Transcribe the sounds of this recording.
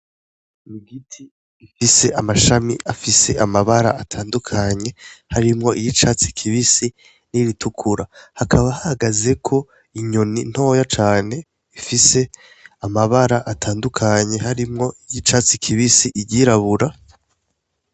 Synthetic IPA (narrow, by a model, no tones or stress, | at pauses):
miɡitʰi | ifise̞ʔamaʃamḭʔafise̞ʔamaβaɾa̰atʰaːndukʰaɲe̞haɾimŋo̞ʔijit͡ʃaːt͡si̥kʰiβisi | niɾitʰukʰuɾahakʰaβahahaɡaze̞kʰo̞ | iɲonin̥ho̞ːjat͡ʃaːne̞ | ifise̞ | amaβaɾaʔatʰaːndukʰaɲe̞ɦaɾimŋo̞ijit͡ʃat͡sikʰiβisiʔiɟiɾaβuɾa